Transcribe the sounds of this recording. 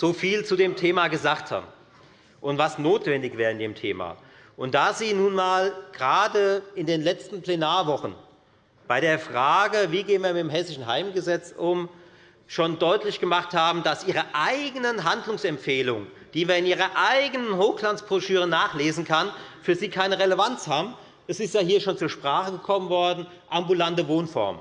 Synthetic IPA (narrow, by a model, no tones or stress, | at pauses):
z̥oːfiːlt͡sudeːmtʰeːmaɡəzaːktha̰ːbm̩ | ʔʊntv̥asnoːtv̥ɛndɪçv̥ɛːʁəɪndeːmtʰḛːma̰ | ʔʊnt̚d̥aːziːnuːnmaːlɡ̥əʁaːdəɪndeːnlɛt͡stn̩pl̥ɛnaːɐvɔχn̩ | b̥aɪɾeːɐfʁ̥aːɡəviːɡeːənviːɐmɪtemɦɛsɪʃn̩ɦaɪmɡəzɛt͡sʔʊm | ʃoːndɔʏtlɪçɡ̥əmaχthaːbm̩d̥asʔiːʁɐʔaɪɡənənɦandlʊŋsɛmfeːlʊ̰ŋənd̥iːviːɐɪnʔiːʁɐʔaɪɡənənɦoːxkl̥ant͡sb̥ʁ̥oʃyːʁ̞ənaːχleːzn̩kʰanfyːɐziːkʰaɪnəʁeləvant͡shaːbm̩ | ʔɛsɪstjaːɦiːɐʃoːnt͡suːɐʃpʁ̥aːχəɡəkʰɔmənvɔɐdn̩ | ʔambulantəvoːnfɔ̰ɐm